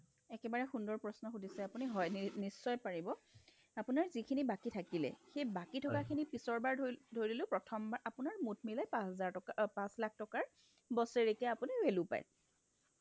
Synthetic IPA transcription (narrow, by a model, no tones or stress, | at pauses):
ɛkɛbaɹɛxundɔɹpɹɔsnɔxudʱisɛapuniɦɔjnisːɔjpaɹibɔ | apunaɹzikʰinibakitʰakilɛ̰xejbakitʰɔkakʰinipisɔɹbaɹdʱoɹiilʊ̃pɹɔtʰɔmbaɹʔapʊnaɹmut̚ʰmilajpasɛzaɹɔpãslak̚ʰtɔkaɹ | bɔseɹikɛapuniwelʊpa̰j